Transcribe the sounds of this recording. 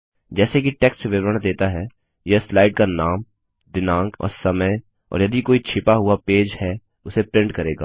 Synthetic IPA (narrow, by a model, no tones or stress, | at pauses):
d͡ʒɛːsekiʈeːkssʋɪʋɾəɽ̃d̪eːt̪aɦɛ | jeslaːɪɖ̚kanaːm | d̪ɪnãːŋɡɔ̰ːɾsɐməj | ɔ̰ːɾjɐd̪ikoːit͡ʃʰɪpaɦʊapeːd͡ʒhɛ | ʊsepɾɪ̃ɳɖkɐɾeːɡa̰ː